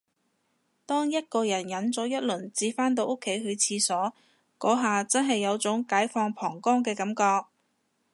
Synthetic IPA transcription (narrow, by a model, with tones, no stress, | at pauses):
t̪ɔː˥ŋjɐ˥t̚kɔː˧jɐ˨˩njɐ˨˥nt͡sɔː˨˥jɐ˥t̚lɵ˨˩nt͡siː˧faː˥nt̪o˧wʔʊ˥kʰːe˨˧˥jɦɵ˨˧ɥt͡sʰiː˧sɔː˨˥ | kɔː˨˥ɦaː˨t͡sɐ˥nɦɐ˨jːɐ˨˧wt͡sʊ˨˥ŋkaː˨˥jfɔː˧ŋpʰɔː˨˩ŋkɔː˥ŋkɛː˧kɐ˨˥mkɔː˧k̚